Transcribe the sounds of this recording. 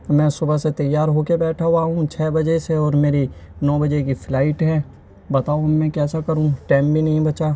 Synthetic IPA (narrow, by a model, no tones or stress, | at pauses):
mɛ̃ːsʊbəset̪ɐjːaːɾɦokebɛːʈʰaɦwaːɦũt͡ʃʰɛːbɐd͡ʒeseɔːɾmeːɾinɔːbɐd͡ʒekiflaːɪʈɦɛː | bɐt̪aːoɐmːɛ̃kɛːsakɐɾũʈɛ̃ːmbʱinɐɦĩbɐt͡ʃaː